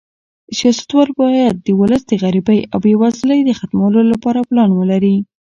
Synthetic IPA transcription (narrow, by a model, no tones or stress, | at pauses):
sijɑsḁt̪wɑlbɑjad̪̚ːəwʊləsd̪əɣaɾibajawewaslajd̪əxat̪mawəlolapɑɾaplɑnwəlaɾi